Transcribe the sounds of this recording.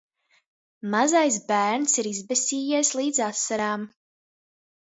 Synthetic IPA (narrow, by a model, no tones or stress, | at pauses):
mazajs̬bæːɾnsiɾizbɛsʲiːjislˠiːd̪zasːaɾaːm